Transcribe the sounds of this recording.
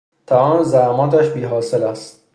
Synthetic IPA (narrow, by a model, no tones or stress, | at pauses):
t̪ʰæɒːnzæhmɒːt̪æʃbiːɦɒːselæst̪